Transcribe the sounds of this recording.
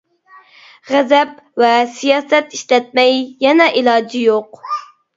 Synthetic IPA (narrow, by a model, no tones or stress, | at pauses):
ʁɛzɛpvɛsijɑːsɛt̪iʃlɛt̪̚mɛjjɛnɛʔilˠɑːd͡ʒijoq